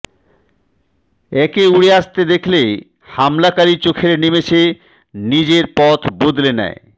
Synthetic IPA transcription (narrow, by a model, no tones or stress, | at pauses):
ɛkeuɽeast̪ed̪ekʰle | hamlakaɾit͡ɕokʰeɾnimet͡ɕʰe | nid͡ʑeɾpɔt̪ʰbod̪lenɛ̰e